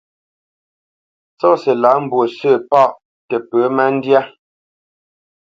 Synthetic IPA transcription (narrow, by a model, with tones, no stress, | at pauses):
t͡sɔ˦sɛ˨la˨˦m̩˨bwo˨sə˦˨pa˦˨ʔ | tɛ˨pə˨˦ma˦n̩˦dja˦